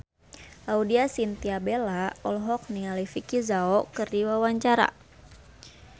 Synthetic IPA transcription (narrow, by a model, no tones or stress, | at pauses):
audiasint̪iabelaɔlɦɔk̚niŋalifikizaɔkɨrdiwawaɲt͡ʃaɾa̰